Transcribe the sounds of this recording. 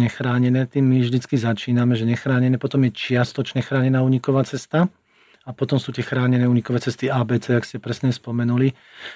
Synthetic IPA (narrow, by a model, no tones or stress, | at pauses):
ɲɛxɾaːɲɛnɛːt̪iːmːivʒd̪it͡skizat͡ʃiːnamɛʒɛɲɛxɾaːɲɛnɛːpɔt̪ɔmjɛt͡ʃɪast̪ɔt͡ʃɲɛxɾaːɲɛnaːuːɲikɔʋaːt͡sɛst̪a | apɔt̪ɔmsuːt̪ɪɛxɾaːɲɛnɛːuːɲikɔʋɛːt͡sɛst̪iaːbɛːt͡sɛːakscɛpɾɛsɲɛspɔmɛnuli